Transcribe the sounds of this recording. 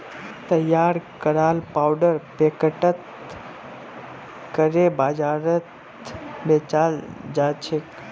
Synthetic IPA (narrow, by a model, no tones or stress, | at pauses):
t̪əjaːɾkəɾaːlpawɖəɾpekəʈət̪ | kəɾebaːd͡ʒaːɾət̪ | bet͡ʃald͡ʒat͡ʃʰe